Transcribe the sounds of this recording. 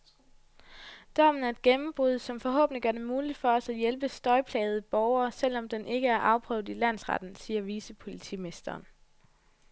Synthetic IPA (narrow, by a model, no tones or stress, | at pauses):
d̥ɒmn̩æɐed̥̚ɡ̥enm̩b̥ʁuðˠsɒ̽mfɒ̽ɦɔ̰̽ːb̥ne̝ŋɡ̥ɶɐd̥e̝muːlid̥fɒ̽ɒ̽sæjelb̥əsd̥ɒ̽ɪpʰlɛ̰ːɪð̞̩ˠb̥ɒʊɐːsel̰ɒ̽md̥enʔe̝ɡ̥əæɐʔɑ̈ʊpʰʁœʊdˠilæn̰sʁɑ̰d̥n̩siːɐʋisəpʰo̝lit͡sʰḭːme̝sd̥ɐːn